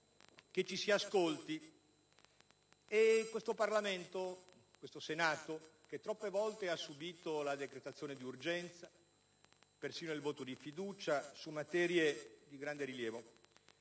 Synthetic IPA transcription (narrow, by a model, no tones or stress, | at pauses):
k̟et͡ʃːisiaskolt̪i | ekːwest̪oparlament̪o | kwest̪osenaːt̪oket̪ːɾɔpːevɔlt̪easːubiːt̪olad̪ekɾet̪at̪sːjoːned̪iurd͡ʒɛnt̪sa | persiːnoilvoːt̪od̪ifid̪uːt͡ʃasumːat̪ɛːɾjed̪iɡɾand̪eɾiljɛːvo